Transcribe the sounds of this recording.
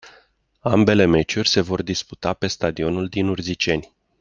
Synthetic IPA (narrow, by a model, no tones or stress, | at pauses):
ambe̞le̞me̞t͡ʃurʲse̞vo̞rd̪ispu̥t̪ape̞st̪ad̪io̞nuld̪inurzit͡ʃe̞nʲ